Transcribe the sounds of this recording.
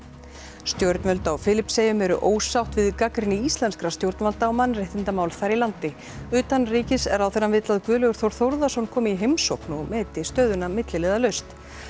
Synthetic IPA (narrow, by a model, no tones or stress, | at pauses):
st̪jowɾt̪nmœlt̪awfɪːlɪpseːjʏmɛɾʏ̰ʔoːwsawht̪vɪðkakɾɪnɪist̪lɛnskɾast̪jowɾt̪nmalt̪awmanːrejht̪ɪnt̪amaːwlθajɾilant̪ɪ | ʏːt̪anriːcɪsɛɾawθɛnːamvɪt̪laðkvʏːlœɣʏɾ̥θowɾ̥θowɾðasɔnkʰɔːmɪiɦejmsowknumɛːt̪ɪst̪œːðʏnamɪt̪lɪleːðalœɥst̪